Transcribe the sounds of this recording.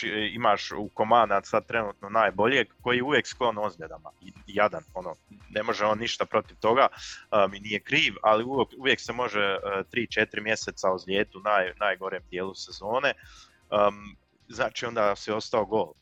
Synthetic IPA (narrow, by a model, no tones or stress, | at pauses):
iimaːʃuko̞maːnd̪asad̪̚t̪ɾe̞nuːt̪no̞naːjbo̞ʎjeɡko̞jiːjeuʋjeksklˠo̞nozɡʎed̪amajad̪ano̞noːne̞mo̞ʒeo̞ːnːiʃt̪apɾo̞t̪iʋt̪o̞ɡaminije̞kɾiːʋaliujekuʋje̞kse̞mo̞ʒet̪ɾiːt͡ʃet̪iɾimje̞seːt̪sauzʎʲeːt̪uunaːjnaːjɡo̞ɾeːmd̪je̞ːlˠuse̞zo̞ːne̞ | ə | znaːt͡ʃiːo̞nd̪aːsio̞st̪aoɡo̞ːlˠ